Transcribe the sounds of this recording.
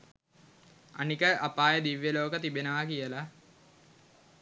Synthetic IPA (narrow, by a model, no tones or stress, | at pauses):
a̰nikəʔapaːjəd̪iʋːjəloːkət̪ibenəʋakijəla